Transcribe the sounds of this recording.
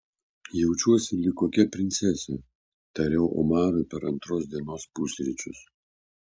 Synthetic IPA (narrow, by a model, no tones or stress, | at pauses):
jɛʊt͡ʃʲuɔsʲɪlʲɪkoːkʲɛpʲɾʲɪnʲt̪sʲɛsʲe | t̪ɐɾʲɛʊʔɔ̰mɑːɾopʲɛɾɐnt̪ɾoːsd̪ʲiɛnoːspʊsʲɾʲɪt͡ʃʲʊs